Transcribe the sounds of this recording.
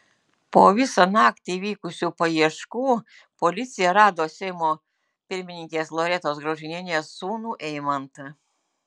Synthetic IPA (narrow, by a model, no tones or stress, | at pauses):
poːʋʲɪsɐnɑːkt̪ʲiʋʲiːkʊsʲuːpɐiɛʃkuː | pɔlʲɪt̪sʲɪjɛɾɑːd̪oːsʲɛɪmoː | pʲɪɾʲmʲɪnʲɪŋʲkʲeːslˠoːɾʲɛt̪oːsɡɾɐʊʒʲɪnʲɪnʲeːsːuːnuːʔɛɪmɐnt̪